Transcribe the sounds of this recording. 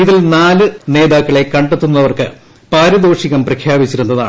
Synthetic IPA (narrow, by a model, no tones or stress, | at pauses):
iðilnaːlɨne̞ːðaːkːɐɭe̞kːɐɳɖet̪ːunːɐʋɐrkɨ | paːɾɐd̪oːʂiɣɐmprɐkʰjaːbit͡ɕːiɾunːɐða̰ːɳ